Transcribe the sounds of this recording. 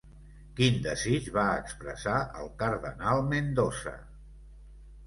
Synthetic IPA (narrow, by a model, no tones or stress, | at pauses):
kind̪əzit͡ʃβaəkspɾə̰saə̰lˠkəɾðənalˠmend̪osə̰